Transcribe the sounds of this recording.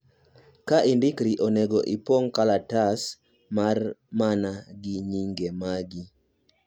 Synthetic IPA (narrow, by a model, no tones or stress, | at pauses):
kaʔindikɾiʔɔnɛɡɔʔipoŋkalatas | marmanaɡiɲiŋɡemaɡi